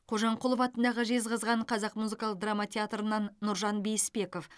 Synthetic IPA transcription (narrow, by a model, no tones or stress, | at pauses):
qʰo̞ʒɑɴqʰolˠəfɑt̪ənd̪ɑʁəʒe̞zʁəzʁɑɴqʰɑzɑqmuzɨkɑlˠəq̚d̪ramat̪ʲʰeat̪rənɑnːʊɾʒɑnbejɪspe̞ko̞f